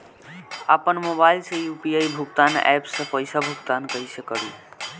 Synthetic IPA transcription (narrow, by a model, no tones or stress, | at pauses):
apənmobaːɪlsejupiaibʱukt̪anɛ̰psẽpəjsabʱuk̚t̪aːnkəisekəɽi